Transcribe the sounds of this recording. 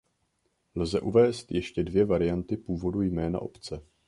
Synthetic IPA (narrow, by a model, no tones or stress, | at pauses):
lzɛʔuvɛːst̪jɛʃcɛdvjɛvaɾɪjant̪ɪpuːvo̞dujmɛːna̰ʔo̞pt͡sɛ